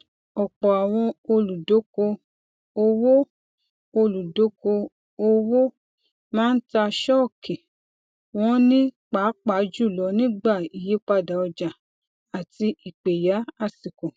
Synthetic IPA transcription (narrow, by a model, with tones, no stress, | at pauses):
ɔ˨k͡pɔ˨a˨w̃ɔ̃˧o˧lu˨do˨˦ko˧ | o˧wo˦ | o˧lu˨do˨˦ko˧ | o˧wo˦ | mãː˦n̩˦ta˧ʃɔ˦˨ki˨ | wɔ̃˦nĩ˦k͡pa˨˦k͡pa˨˦d͡ʒu˦˨lɔ˨˧˦nĩ˦ɡ͡ba˦˨i˨je˨˦k͡pa˧da˨ɔ˧d͡ʒa˨ | a˨ti˧i˨k͡pe˨ja˨˦a˦˨si˨ko˨